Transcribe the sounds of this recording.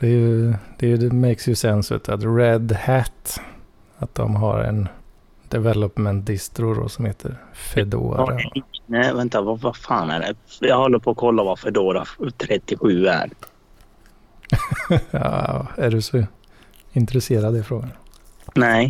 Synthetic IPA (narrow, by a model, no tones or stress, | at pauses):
d̪̥ɛjɵd̪̥ɛjɛmɛjksjəsɛnsʉ̰t̪at̪ɾɛd̪hæt̪ː | at̪̚d̪ɔ̰mɦa̰ɾɛ̰n | d̪̥ɛvɛlɔpmɛnt̪̚d̪ɪst̪ɾʊd̪ɔ̰sɔmheːt̪ʰəɾfɛd̪o̰ːɾanɛvɛnt̪avavafɑːnæ̰ɖɛ̰jɑːɡhɔlːəɾpʰɔːkʰɔlːavafɛd̪oːɾa̰t̪ʰɾɛt̪ːɪɧʉ̟ːæ̰ɾ | ɑ̰æɖɵsɔ | ɪnt̪ɾɛseːɾad̪əɪfɾoːɡannɛɪ